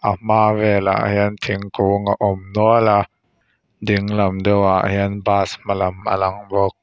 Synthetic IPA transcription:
ʔamaːvɛla̰ʔhiənt̪ʰiŋkuŋaʔɔmnuəla | diŋlamdɔwaʔhiənbaːsmalamʔa̰laŋbɔk̚

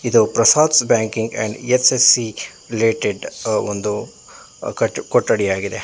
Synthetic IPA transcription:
id̪upɾɐsaːd̪sbaːŋkiŋɡɛ̰ɳɖesesːiɾileːʈeɖond̪u | kɐkɔʈːɐɽijaːɡid̪e̞̰

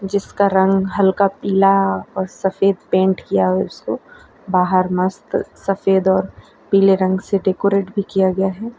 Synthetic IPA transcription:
d͡ʒɪskaɾɐ̃ŋɡɦɐlkapiːlaɔːɾsɐfeːd̪pẽːɳʈkijaɦɛʊsko | baːɦəɾmɐst̪sɐfeːd̪ɔːɾ | piːleɾɐ̃ŋɡseɖeːkoːɾeːʈbʱikijaɡɐjaɦɛː

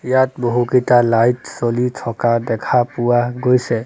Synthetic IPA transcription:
jat̪̚bɔɦukit̪alajtsolitʰɔkad̪ɛkʰapuaɡojsɛ

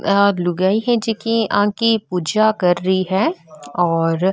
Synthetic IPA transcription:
alʊɡaːiɦɛ̃d͡ʒekiãːkipuːd͡ʒakɐɾːɐiɦɛɔːɾ

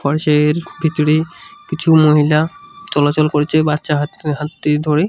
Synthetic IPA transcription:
fɔɾʃaeɾbʱit̪oɽikit͡ɕʰumoɦilat͡ɕɔlat͡ɕolkoɾet͡ɕʰebatːʃaɦɦat̪ːed̪ʱoɾe

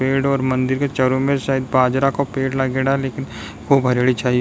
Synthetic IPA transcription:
peːɖɔːɾmɐ̃nd̪ɪɾket͡ʃɐɾomeɾʃaːɦid̪baːd͡ʒɾakopeːɽlaɡeːɽaleːkɪn | kʰuːbʱɐɾeɽit͡ʃaːɦi

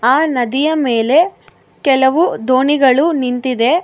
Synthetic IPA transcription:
aːnɐd̪ijɐmeːle̞ | kɛlɐʋud̪oːɳiɡɐɭunint̪id̪e̞

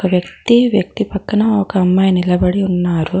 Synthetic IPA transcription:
kɐʋjɐk̚t̪iʋjɐk̚t̪ipɐkːɐnɐɔkɐːmːɐjnilɐbɐɽiunːaːɾu

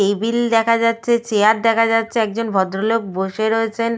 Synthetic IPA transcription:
ebild̪ɛkʰad͡ʑatːɕʰet͡ɕeaɾd̪ɛkʰad͡ʑatːɕʰeɛk̚d͡ʑonbʱɔd̪ɾoloɡ̚boʃeɾoet͡ɕʰen

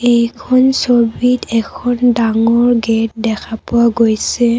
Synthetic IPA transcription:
ejkʰɔnsobitɛkʰɔndaŋɔɹɡɛt̚dɛkʰapʊwaɡojsɛ

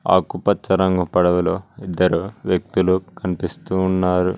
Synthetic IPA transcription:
a̰ːkupɐtt͡ʃɐɾɐŋɡupɐɽɐʋuloːid̪ːɐɾuʋjɐk̚t̪ulukɐnipist̪uːnːaːɾu

